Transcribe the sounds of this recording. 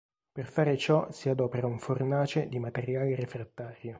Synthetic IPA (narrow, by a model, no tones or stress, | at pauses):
perfaːɾet͡ʃɔsiad̪ɔːpeɾauɱfornaːt͡ʃed̪imat̪eɾjaːleɾefɾat̪ːaːɾjo